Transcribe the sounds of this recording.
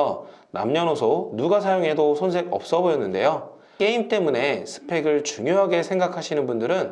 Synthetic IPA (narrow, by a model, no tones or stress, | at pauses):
ʌ | na̰mɲʌnosʰonuɡasʰajoŋɦe̞dosʰonsʰe̞ɡʌ̰p̚s͈ʌbojʌnːɯnde̞̰jo | k͈e̞imt͈e̞mune̞sʰɯ̥pʰe̞ɡɯɭt͡ɕuŋjoɦaɡe̞sʰeŋɡakʰaɕʰinɯnbundɯɾɯn